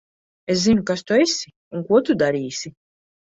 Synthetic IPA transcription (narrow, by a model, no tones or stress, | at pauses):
eszinukast̪uesi | uŋkuɔt̪ud̪aɾiːsʲi